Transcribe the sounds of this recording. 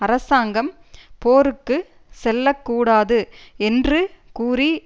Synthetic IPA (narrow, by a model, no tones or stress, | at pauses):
ɐɾɐsaːŋɡɐm | poːɾɯkːɯ | sɛlːɐkːuːɽaːðɯɛndrɯkuːri